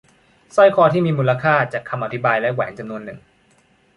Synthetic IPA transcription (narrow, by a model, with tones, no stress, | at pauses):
sɔ˥˩jkʰɔː˧˩t̪ʰiː˥˩miː˧muː˧la˧kʰaː˥˩t͡ɕaː˨˩kʰːa˧mʔa˧t̪ʰi˦˥baː˧jlɛ˦˥wɛ̰ː˩˦ŋt͡ɕa˧mnu˧ənːɯ̰˨˩ŋ